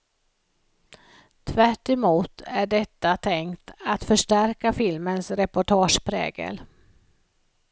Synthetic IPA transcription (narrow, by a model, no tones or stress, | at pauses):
t̪ʰvæʈːɛmuːt̪ʰæɖɛt̪ːat̪ʰɛŋkt̪at̪fœʂʈæɾkafɪlmənsɾɛpʊʈʰɑːʂpʰɾɛ̰ːɡə̰l